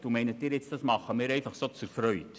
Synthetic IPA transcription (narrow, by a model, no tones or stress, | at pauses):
d̥umɛɪnətdɪːɾjɛt͡sd̥ɑsmɑχːəmɪːɾɛɪfɑχsot͡suɾfɾœʏt